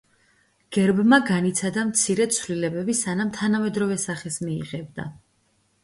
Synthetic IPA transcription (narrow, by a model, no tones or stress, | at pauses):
ɡ̥ɛɾbmaɡanit̪sʰad̪amt̪sʰiɾɛt̪sʰvlilɛbɛbisanamt̪ʰanamɛd̪ɾɔvɛsaχɛsmḭːʁɛb̚d̪a̰